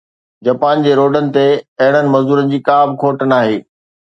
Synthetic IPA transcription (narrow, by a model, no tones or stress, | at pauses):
d͡ʑaːpaːnd͡ʑeːɾoːɖənɪ̆t̪eɐɦɪɽ̃ənɪ̆mɐzd̪uːɾənɪ̆d͡ʑiːkaːbɪkʰoːʈənaːɦeː